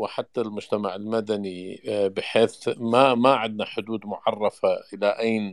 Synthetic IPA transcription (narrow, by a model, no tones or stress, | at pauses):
wɪħat̪ːalmʊd͡ʒt̪amaʕɪlmad̪anibɪħeːθmamaʕɪd̪naħʊd̪uːd̪mʊʕɑrˤːɑfaʔɪlaʔajn